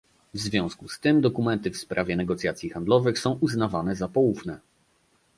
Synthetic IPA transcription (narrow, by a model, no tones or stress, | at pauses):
vzvʲjɔ̃w̃skust̪ɘmd̪ɔkumɛnt̪ɘfspɾavʲjɛnɛɡɔt̪sʲjat̪sʲjixand̪lɔvɘxsɔ̃w̃ʔuznavanɛzapɔwufnɛ